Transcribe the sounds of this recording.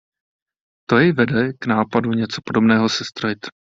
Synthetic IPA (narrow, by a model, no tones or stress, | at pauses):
t̪o̞jɛjvɛdɛknaːpaduɲɛt͡so̞̥po̞do̞bnɛːɦo̞sɛst̪ɾojɪt̪